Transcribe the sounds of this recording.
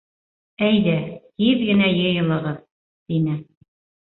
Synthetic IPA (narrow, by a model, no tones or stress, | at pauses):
æjðæhiðɡɘ̆næjɤ̆jɤ̆lˠɤ̆ʁɤð | t̪inɘ